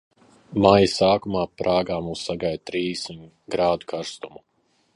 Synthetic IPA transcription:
majɐsaːkumaːpɾʔaːɡaːmuːsːaɡajd̪̚t̪ɾiːsi | ɡɾaːd̪ukʰaɾst̪umu

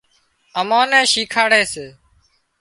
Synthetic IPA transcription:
əmãːnɛ̃ːʃiːkʰaːɽeːseː

